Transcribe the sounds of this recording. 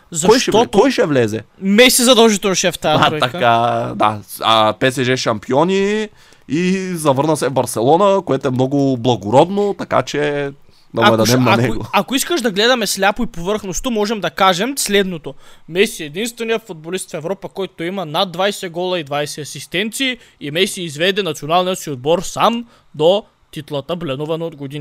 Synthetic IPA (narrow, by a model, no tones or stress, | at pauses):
zɐɔʃjʃɛɔkɔjʃɛvlɛzɛmɛsɛzɐd̪ɛlˠʒit̪ɛlˠnoʃɛft̪ajɐɾɔɐkad̪a̰a̰pɛsɛʒɛʃɐmpiɔni | izɐvɤɾnəsɛvbɐɾsɛlˠɔnəkoɛt̪oɛmnɔɡʊblˠɐɡʊɾɔd̪not̪ɐka̰t͡ʃɛ | d̪ɐbɛd̪ɛd̪ɛmnɐnɛɡo̰akoiskəʃd̪ɐɡlɛd̪ɐmɛslʲapoipovɤɾxnost̪omɔʒɛmd̪ɐkaʒɛmslɛd̪not̪omɛsiɛd̪inst̪vɛnijəfod̪̚bolist̪fɛvɾɔpəkɔjt̪oimɐnad̪vajsɛɡɔlˠɐid̪vajsɛɐsist̪ɛnt̪siːimɛsiːzvɛd̪ɛnɐt̪sionalˠnijət̪siod̪̚bɔɾsam | d̪o | t̪it̪lˠət̪əblɛnuvɐnood̪ɡod̪in